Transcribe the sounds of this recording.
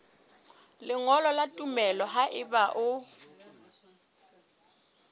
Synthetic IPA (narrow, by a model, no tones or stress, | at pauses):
lɪŋɔlɔlatʼumɛlɔɦaʔɪbaʔʊ